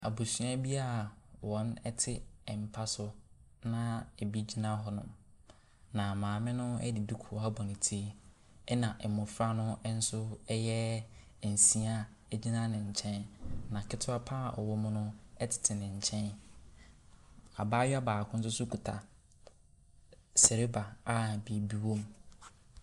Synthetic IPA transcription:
a˨bu˨sɥa˦bi˦a˦wɔ̃˨nɛ˦tʰɪ˦ɛ˨m̩˨pʰa˦sʊ˦ | nã˦e˨bi˦d͡ʑi˦nã˦ɦɔ˨˦nʊ̰̃˨m | nã˨mãː˨mɪ̃˦nʊ̃˦ɛ̰˦dɪ˨du˦kʰu˨a˦bɔ˨nɪ̃˨tʰi˦e˦ | ɛ˦nã˨ʔmʊ̃˨fɾa˦nʊ̃˦n̩˦sʊ˦ɛ˦jɛ˦˨ | n̩˨si˨a˦˨ | d͡ʑi˦nã˦nɪ̃˨ɲ̩˨t͡ɕʰɛ̃˦nnã˨kʰɪ˦tʰʊ˦a˦pʰa˦a˨ʔɔ̰˨wɔ˦mʊ̃˦nʊ̃˦ɛ˦tʰɪ̥˨tʰɪ˨nɪ̃˨ɲ̩˨t͡ɕʰɛ̃˦n | a˨baː˦ɥa˦baː˨kʰʊ̃˦n̩˦s̬ʊ˦sʊ˦kʰu˨tʰa̰˨ | sɛ˨ɾe˦ba˨a˦˨bi˨bi˦wõ˦m

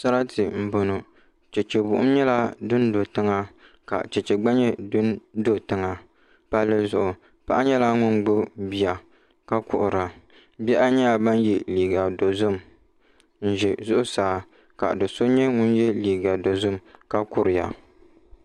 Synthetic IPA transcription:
sa˦ɾa˦tʰɨ˨m̩˨bo˨nʊ˨ | t͡ʃɛ˨t͡ʃɛ˨bʊ˨ʔʊ̰˦m˦ɲɛ˦la˦dʊ˦n˦do˨tɨ˦ŋa˦ | ka̰˨t͡ʃɛ˨t͡ʃɛ˨ɡ͡ba˦ɲɛ˦dʊ˦ndo˦tɨ˦ŋa˨ | pa˦lːɨ˦zʊ˦ʔʊ˨ | pa˦ʔa˦ɲɛ˦la˦ŋʊ˦nɡ͡bʊ˦bi˨a˨ | ka˦kʊ˨ʔʊ˨ɾa˨ | bɛ˦ʔa˦ɲa˦a˨ba˦njɛ˨liː˨ɡa˨do˨zʊ˦m | n̩˦ʒɛ˨zʊ˦ʔʊ˦saː˨˦ | ka̰˨dɨ˨so˦ɲɛ˦ŋʊ˦njɛ˦liː˨ɡa˨do˨zʊ˦mka˦kʊ˦ɾɪ˨ja̰˨

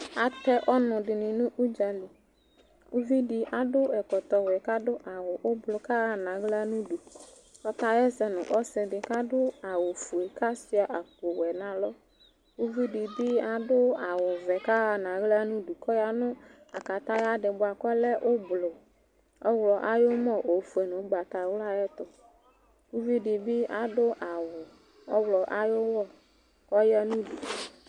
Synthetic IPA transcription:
a˦t̪ɛ˦ʔɔ˦nʊ̃˨ɖɪ˨nɪ̃˨nũ˦ʔu˦d͡ʒa˨li˨ | wu˦vi˦ɖi˨ʔa˨ɖʊ˦ɛ˨kɔ˨t̪ɔ˨wɛ˨ka˦ɖʊ˦ʔa˨wʊ˨ʔo˦blʊ˨ka˦ɣa˦nã˨ɣla˦nũ˦ɖu˨ | kɔ˦t̪ã˦jɛ˦sɛ˦nʊ̰̃˨ʔɔ˦sɛ˨ɖɪ˨ka˦ɖʊ˦a˨wʊ˨fu˨e˨ka˦si˦a˨ʔa˨k͡po˨wɛ˨nã˨lɔ˦ | wu˦vi˦ɖi˨bi˦a˨ɖʊ˦a˨wʊ˨vɛ˨ka˦˨nã˨ɣlɛ˦a˦nũ˦ɖu˨kɔ˦ja˦nʊ̃˦ | a˨ka˨t̪ã˦ja˦ɖɪ˨bʊ˦a˨kɔ˦lɛ˦ʔo˦blo˨ | ɔ˦wlɔ˨ʔa˦jo˦mɔ̃˦ʔo˨fu˨e˨nʊ̃˨˦ɡ͡ba˨t̪a˨wla˦jɛ˦t̪ɔ˨ | wu˦vi˦ɖi˨bi˦ʔa˨ɖʊ˦ʔa˨wʊ˨ | ɔ˦wlɔ˨ʔa˨jo˦wɔ˦˨ | kɔ˦ja˦nũ˦ɖu˨

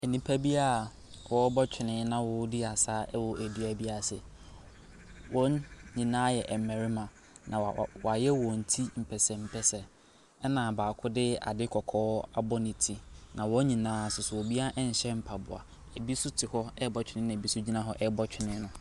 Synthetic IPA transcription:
ɛ˨nĩ˨pʰa˦bi˦a˦˨ | wɔ˦bɔ˦t͡ɕʰᶣɪ˨nɪ̃˦nã˦wʊ˦dɪ˦a˨sa˦ɛ˦wʊ˨ʔæ˨di˨æ˨bi˦a˨sɛ̰˨ | wɔ̃˦ɲĩ˨nãː˦jɛ˨ʔɛ˨m˨mɛ̃˨ɾɪ˦mã˨ | nʔã̰˨wa˨jɛ˦wɔ̃˨n̩˨tʰi˦m̩˨pʰɛ˨sɛ˨m̩˨pʰɛ˨sɛ˨ | ɛ˦nã˨baː˨kʰʊ˦dɪ˦a̰˨dɪ˦kʰɔ˨kʰɔː˦a˦bɔ˦nɪ̃˨tʰi˨nã˨wɔ˦ɲĩ˨nãː˦˨sʊ˨sʊ˨wɔ˨bi˦a˦ʔɛ˦ɲ̩˨ɕɛ˦m̩˨pʰa˨bʊ̰˨a̰˨ | e˨bi˦sʊ˦tʰɪ˨hɔ˦ɛ˦bɔ˦t͡ɕᶣɪ˨˦nɪ̃˦nã˨bi˦sʊ˦d͡ʑi˦nã˦ɦɔ˦ʔɛ˦bɔ˦t͡ɕᶣɪ˨nɪ̃˦nʊ̃˦

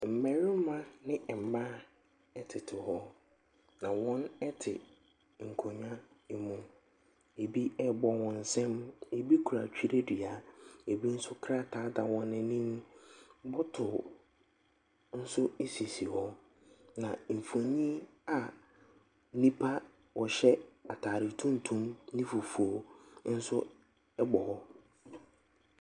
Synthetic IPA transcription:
m̩˨mɛ˨ɾɪ̃˦m˦mã˦nɪ̃˦ɛ˨m̩˨ma˦ | ɛ˨tʰɪ˨tʰɪ˨hɔ˦ | nã˨wɔ̃˦nɛ˦tʰɪ̰˨ | ŋ̩˨kʰo˨ɲᶣã˦˨mũ˦ | e˨bi˦ɛ˦bɔ˨wɔ̃˨n̩˨sɛ̃˦me˨bi˦kʰu˨ɾa˨t͡ɕᶣi˦ɾe˦di˨a˨˦e˨bi˦n̩˦sʊ˦kʰɾa˦tʰaː˨˦da˨wɔ̃˦nːɪ̃˦nĩ˦m˦bɔ˦tʰʊ˨ | n̩˦sʊ˦e˦si˨si˨hɔ̃˦ | nã˨m̩˨fõ˨ɲĩ˦a˨ | nĩ˦pʰa˦ | wʔɔ˨ɕɛ˦a˨tʰaː˨ɾɪ˨tʰũ˦n˦tʰũ˦mnĩ˦fu˨fu˨o˨n̩˦sʊ˦ | ɛ˦bɔ˨hɔ˦

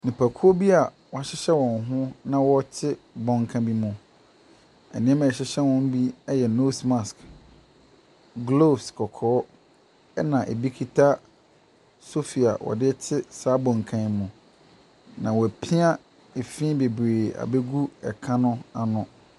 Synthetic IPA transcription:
nĩ˨pʰa˨kʰu˦o˦bi˦a˨wɔ˨a˨ɕɪ˦ɕɛ˦wɔ̃˨n˨˦ɦʊ̃˦nã˦wɔ˦t͡ɕʰɪ˦bɔ̃˨ŋkʰã˦bi˦mʊ̃˨ | ɛ̰˨nɪ̃˦ɛ˦mã˨ɕɪ˦ɕɛ˦wɔ̃˦m˦bi˦ɛ˦jɛ˨no˦sma˨sk | ɡlo˦skʰɔ˨kʰɔː˨˦ | ɛ˦nã˨ʔe˨bi˦kʰi˦tʰa˦ | so˦fi˨a̰˨wɔ̰˨dɪ˦ɛ˦t͡ɕʰɪ˦saː˨˦bɔ̃˨ŋ˨kʰã˦mʊ̃˨ | nã˨wɔ˨æ˨pʰĩ˦a˦ | e˨fĩ˦be˨bɾeː˨a̰˨be˦ɡu˦ɛ̰˨kʰã˦nʊ̃˦a˨nʊ̃˨

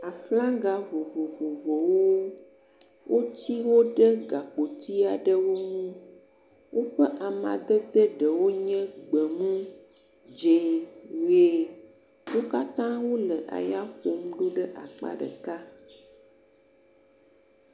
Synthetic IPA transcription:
a˨flã˦ɡa˦vo˨vo˨vo˨vo˨wo˦ | wʔo˦t͡ɕi˦wo˦ɖə˦ɡa˨k͡po˨t̪i˦a˨ɖə˦wo˦ŋũ˦ | wo˦ɸə˦ʔa˨mã̰˨d̪ə˦d̪ə˦ɖə˨wo˦ɲɛ̃˦ɡ͡bə˨mũ˦ | d͡ʒẽ˨we˨ | wo˦ka˦t̪ã˦wo˦lə˨ʔa̰˨ja˦ɸo˨m˦ɖu˦ɖə˦ʔa˨k͡pa̰˦ɖə̰˨ka˦

